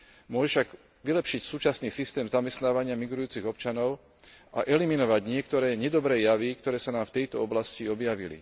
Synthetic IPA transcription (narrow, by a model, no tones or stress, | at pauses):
mʊɔʒɛʃaɡ | ʋilɛpʃicsuːt͡ʃasniːsist̪ɛːmzamɛst̪naːʋaɲɪamiɡɾujuːt͡siɣɔpt͡ʃanɔʊ | ʔa̰ʔɛliminɔʋaɟɲɪɛkt̪ɔɾɛːɲɛd̪ɔbɾɛːjaʋikt̪ɔɾɛːsanaːmft̪ɛjt̪ɔɔblasciɔbjaʋḭlḭ